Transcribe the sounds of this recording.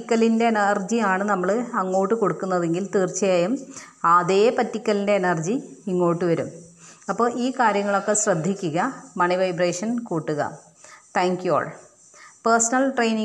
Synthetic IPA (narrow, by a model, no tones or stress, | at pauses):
kʲːɐlinde̞nɐrd͡ʑijaːɳɨnɐmːɐɭɐŋːo̞ːʈːɨko̞ɽukːunːɐðe̞ŋɡilt̪iːrt͡ɕːɐjaːjum | ɐðe̞ːpɐtːikʲːɐlindeːnɐrd͡ʑiiŋːo̞ːʈːɨʋɐɾumɐpːo̞ːʔiːkaːɾjɐŋːɐɭo̞kːe̞ɕrɐd̪ʱːikʲːuɣɐmɐɳiʋɐjbreːʂɐnkuːʈːuɣɐ̰ | t̪ʰaːŋkjuo̰ːɭ | persɐnɐlʈrejni